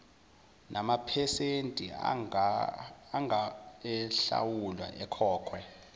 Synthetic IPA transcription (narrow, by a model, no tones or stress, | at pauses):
nʔamapʰɛsentʼi | ŋɛɬa̰wulwa̰ʔɛkʰɔːkʰwɛ